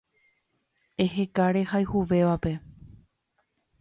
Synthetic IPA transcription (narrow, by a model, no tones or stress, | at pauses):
eɦekaɾe̞hajhuʋe̞ʋape̞